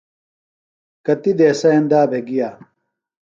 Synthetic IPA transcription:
kɐt̪id̪eːsɐend̪aːbʱeɡijaː

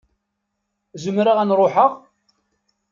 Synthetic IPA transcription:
zəmɾaʁænɾˤoħəʁ

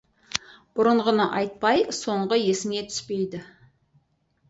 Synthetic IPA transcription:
b̥ʊɾəɴʁənəʔɑjt̪̚pɑjso̞ɴʁəje̞sɪne̞t̪ʰʏ̥spe̞jd̪ɪ

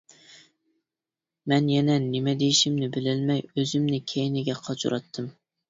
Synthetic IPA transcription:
mɛnjɛnɛnɪmɛd̪ejiʃimnɪbɪlɪlmɛjøzɪmnɪkʲʰɛjnɪɡʲɛqʰɑt͡ʃʰṵɾʔɑ̰t̪ʰːɨm

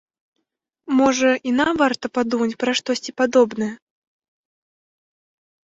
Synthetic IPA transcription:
mɔʐɐʔinavart̪ɐpad̪umɐt͡sʲpɾaʂt̪ɔsʲt͡sʲipad̪ɔbnɐjɛ

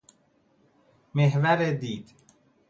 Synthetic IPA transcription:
meɦvæɾed̪iːd̪̥

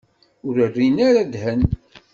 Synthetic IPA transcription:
ʊɾərːinaɾad̪hən

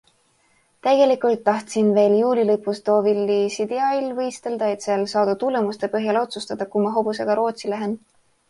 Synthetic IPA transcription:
t̪æɡe̞likˑult̪ːɑht̪sinve̞ːljuːlilɤpːˑust̪oːvilːisid̪̥eɑilːvɤjst̪e̞ld̪̥ɑe̞t̪seelsɑːd̪̥ut̪ule̞must̪e̞pɤɦjɑlo̞t̪sust̪ɑd̪̥ɑkumɑɦo̞buse̞ɡ̥ɑɾo̞ːt̪silæɦe̞n

